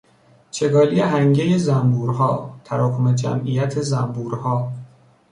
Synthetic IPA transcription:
t͡ʃʰe̞ɡɒːlijeɦæŋɟejezæmbuːɾɦɒːt̪ʰæɾɒːkʰomed͡ʒæ̰mʔijæt̪ʰezæmbuːɾhɒː

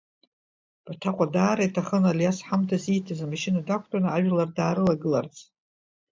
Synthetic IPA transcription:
b̥tʰaqʷʼadaːɾajtʰaχənaljasħamtʰasitʰazamaʃinadakʷʰtʼanɨaʒlardaːɾɨlaɡɨlart͡sʼ

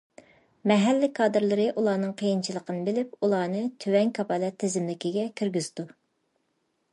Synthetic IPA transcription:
mɛɦɛlːɪkʰɑːd̪ɨɾlˠɨɾɨʔulˠɑːnɨŋqʰəjint͡ʃʰilˠəqʰənɨbɪlɪp̚ulˠɑːnɨt̪ʰywɛŋkʰɑpɑlɛt̪ʰːezɪmlɪkʲiɡʲɛkʲʰyɾɡʲyz̥d̪u

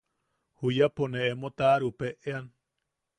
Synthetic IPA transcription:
hujaponeemot̪aɾupeʔean

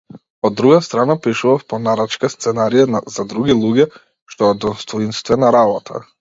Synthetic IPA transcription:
ɔd̪ːɾuɡast̪ɾanapiʃuvafpɔnaɾat͡ʃkast̪sɛnaɾijaazad̪ɾuɡilˠuɟɛ | ʃt̪ɔɔd̪ɔst̪ɔinst̪vɛnaɾabɔt̪ʰa̰

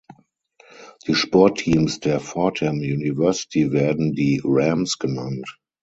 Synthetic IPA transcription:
d̥iːʃpɔɐtʰːiːmsd̥eːɐfɔtʰɛ̃mjuːnivɜɐsi̥tʰiveɐdn̩diːɹɛ̃msɡ̥ənãnt

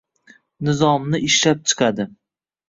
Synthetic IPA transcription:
nɪzɒmnɪɪʃlap̚t͡ʃʰɨ̥qʰad̪ɪ

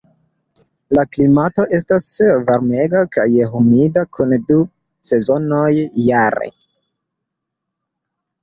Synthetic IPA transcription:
laklimato̞ʔe̞stasvaɾme̞ɡakajɦumidakʰundu | se̞zo̞nojːaɾḛ

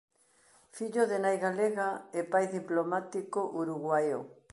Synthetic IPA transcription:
fiʎoðenajɣaleɣaepajðiplomat̪ikoʔuɾuɣwajo

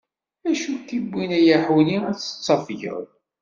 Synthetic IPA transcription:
æʃut̪ːibːinæjəħwniæt͡sːə̥t͡sˤːɑfʝə̰ɾ

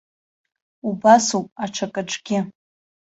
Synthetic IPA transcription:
ubasupʼaʈ͡ʂʰakʼaʈ͡ʂʼɡʲɪ

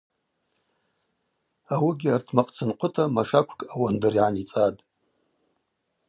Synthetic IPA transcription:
awiɡʲɪartʰmaqʼt͡sʰɨnqʷʰʼʊtʰʼamaʂakʷʰkʼawandɨriʕanit͡sʼatʼ

